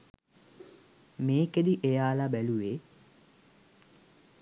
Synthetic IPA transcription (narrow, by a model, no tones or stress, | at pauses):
meːked̪iʔejaːlabæluʋeː